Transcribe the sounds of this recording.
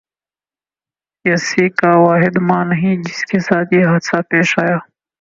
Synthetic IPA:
jɐsiːkaːwaːɦɪd̪mãːnɐɦĩːd͡ʒɪskesaːt̪jiːɦɐd̪sapeːʃaːjaː

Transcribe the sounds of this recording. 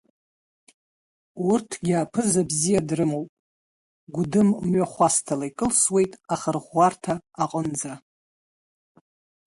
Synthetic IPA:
urtʰɡʲɪapʰɨzabzijadrɨmowpʼ | ɡʷʊdɨmmɥaχʷastʰalajkʼɨlswe̞jtʼaχərʁʷartʰaːqʼənd͡za

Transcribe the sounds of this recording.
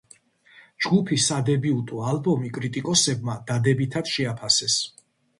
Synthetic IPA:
d͡ʒɡupʰisad̪ɛbiut̪ʼualˠbɔmikʼɾit̪ʼikʼɔsɛbmad̪ad̪ɛbit̪ʰad̪̥ʃɛapʰasɛs

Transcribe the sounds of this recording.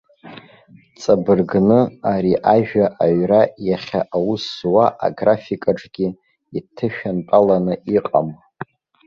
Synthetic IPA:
t͡sʼabɨrɡnɨaɾiʔaʒᶣaʔaɥrajaχʲaʔawuswaʔa̰ɡrafikʼaʈ͡ʂʼɡʲi | itʰɨʃᶣanpʼalanɨiqʼam

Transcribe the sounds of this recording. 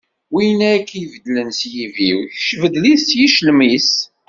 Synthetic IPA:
winækːjvəd̪lənsjiviwçʃvəd̪liθsjiʃlmis

